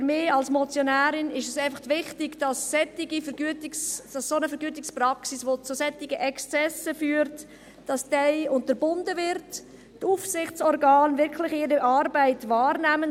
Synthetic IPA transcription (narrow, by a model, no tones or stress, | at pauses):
fɾmɪːɑlsmɔt͡sjonæːɾɪnɪʃəsæɪfɑχtʋɪχtɪɡd̥ɑsːɛtɪɡifɛɡyətɪksd̥ɑsːonəfɛɾɡyətɪksprɑksisʋot͡susɛtːɪɡəʔɛkst͡sɛsəfyːɾt | d̥ɑsd̥ɛɪʊntəɾbʊndəvɪɾt | tufsɪχt͡sɔɾɡɑːnvɪɾkʰlɪχɪɾəʔɑɾbaɪtvɑːɾnæmən